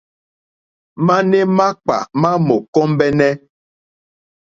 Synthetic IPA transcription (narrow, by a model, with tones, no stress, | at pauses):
ma˦nɛ˦ma˦k͡pa̰˨mã˦mo˨kɔ˦m˦bɛ˦nɛ˦